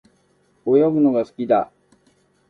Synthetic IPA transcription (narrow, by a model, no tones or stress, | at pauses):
ojobɯ̟no̞ɡasɨ̥kʲid̪a